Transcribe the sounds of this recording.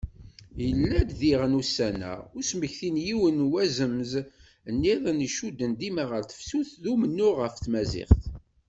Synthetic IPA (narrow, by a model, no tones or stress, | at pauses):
jəlːæd̪ðiʁənusːænæ̰ʊsməçθinjiwənwæzəmz | ənːiðˤəniʃud̪ːənd̪imaʁəɾθə̥fsuθðumənːʊʁəft̪mæzɪ̰χθ